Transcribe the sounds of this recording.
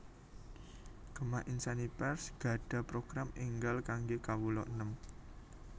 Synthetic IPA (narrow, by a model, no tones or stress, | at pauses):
ɡ̥ə̤maʔinsanipɛrsɡ̥a̤ɖ̥a̤pɾoɡ̥ɾamiŋɡalkaŋɡekawulɔʔnəm